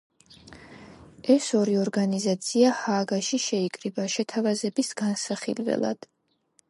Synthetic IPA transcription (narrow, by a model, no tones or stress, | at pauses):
ɛsɔɾiɔɾɡanizat̪sʰiahaːɡaʃiʃɛikʼɾibaʃɛt̪ʰavazɛbisɡ̥ansaχḭlvɛ̰lˠa̰d̪̥